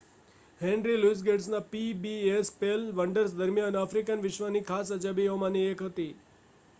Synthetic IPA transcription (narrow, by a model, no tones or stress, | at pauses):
henɾiluis̬ɡeɖsnãpibiespelʋəɳɖəɾsd̪əɾmjãnəfɾikənʋɪʃʋanikʰasəd͡ʒabiomãniekɦət̪i